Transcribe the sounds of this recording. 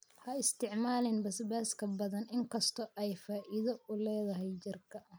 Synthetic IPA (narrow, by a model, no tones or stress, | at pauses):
hɐɪst̪ʰɪʕmaːlɪnbɐsbaːskʰɐbɐðɐnɪŋkʰɐst̪ʰɔʔɛjfaːʔɪðɐʔʊlɛːðɐɦɛjt͡ʃɪrkʰɐ